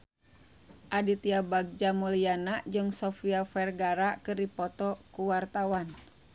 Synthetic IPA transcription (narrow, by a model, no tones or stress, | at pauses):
ʔadit̪iabaɡ̚d͡ʒamɔlianad͡ʒɨŋsɔfiafɛrɡaɾakɨrdipɔt̪ɔkuwart̪awan